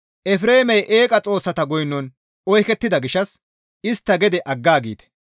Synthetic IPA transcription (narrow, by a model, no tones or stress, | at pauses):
ʔɛfɾe̞ːmɛjʔeːkʼɐt͡sʼo̞ːsːɐt̪ɐɡɔjnːɔn | ɔjkɛt̪ːɪd̪ɐɡɪʃɐs | ɪst̪ːɐɡɛd̪ɛʔɐɡːaːɡḭːt̪ɛ̥